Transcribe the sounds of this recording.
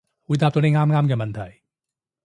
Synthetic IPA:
wuː˨˧jt̪aː˧p̚t̪o˧˥ne˨˧ŋaː˥mŋaː˥mkɛː˧mɐ˨nt̪ʰɐ˨˩j

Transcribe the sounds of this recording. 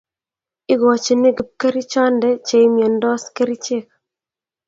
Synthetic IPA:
ɪ˦ɡɔ˨t͡ʃe˨nɪ˦ɡɪ˨p̚kɛ˦ɾi˦t͡ʃɔ˦ndɛ˦t͡ʃe˨ɪ˦mjɔ˨ndɔ˦ske˦ɾi˦t͡ʃe˦k̚

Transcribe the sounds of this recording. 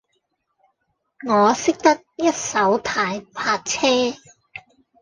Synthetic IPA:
ŋɔː˨˧sɪ˥k̚t̪ɐ˥k̚jɐ˥t̚sɐ˨˥wt̪ʰaː˨˧˥jpʰaː˧k̚t͡sʰɛː˥

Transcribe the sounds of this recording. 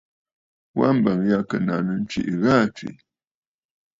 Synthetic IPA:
wa̰˦m̩˨bə˨ŋja˦kə˨na˨nə˨n̩˦t͡ʃḭ˨ʔɣa˦˨t͡ʃwḭ˨

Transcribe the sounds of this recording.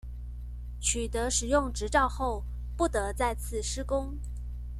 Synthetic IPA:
t͡ɕʰy˨˩t̪ɤ˧˥ʂɻ̩˨˩jʊ˥˩ŋʈ͡ʂɻ̩˧˥ʈ͡ʂɑ˥˧ʊxo˥˧ʊ | pu˥˩t̪ɤ˧˥t͡sa˥˧ɪt͡sʰɹ̩˥˩ʂɻ̩˥kʊ˥ŋ

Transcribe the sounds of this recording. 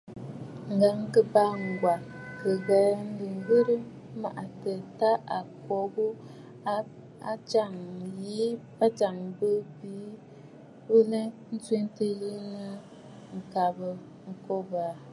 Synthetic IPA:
ŋ̩˨ɡa˨˦ŋ˦kə˦ba˦ŋ̩˨ɡwa˨kə˨ɣa˨ln̩˦dɨ˨ŋ˦ɡɨ˦ɾɨ˦ | ma̰˨ʔa˨tə˨ta˦ʔa˨kɔ˨bu˦ | a̰˨t͡ʃa˦˨ŋjiː˨˦pa˦t͡ʃa˨ŋbɨ˦biː˨˦ | bɨ˦nɛ˦n̩˦si˦n˦tə˦ji˦ŋə˦ | ŋ̩˨ka˨bə˨ | ŋ̩˨kɔ˦ba˨

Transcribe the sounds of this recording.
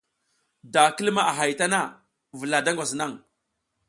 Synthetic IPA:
da˨ki˦lma˦a˨ɦa˨jta˦na˦ | və˨la˨da˦ŋɡʷa˨sna˦˨ŋ

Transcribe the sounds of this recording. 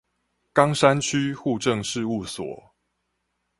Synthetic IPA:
kɑ˦ŋʂa˦nt͡ɕʰy˦xu˥˧ʈ͡ʂə˥˨ŋʂɻ̩˥˧u˥˩swɔ̰˨˩˦

